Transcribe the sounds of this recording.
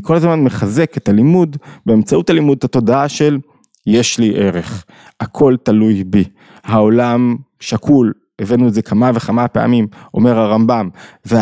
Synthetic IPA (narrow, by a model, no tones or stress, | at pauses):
kʰo̞lazmanmeχaze̞ket̪alimudbeːmt͡sautalimud̪̚ato̞daaʃel | je̞ʃliʔe̞ʁe̞χ | akʰo̞ltalujbi | hao̞lamʃakʰul | e̞venuetze̞kʰamaveχamapea̰mimʔo̞̰me̞ʁaʁambamve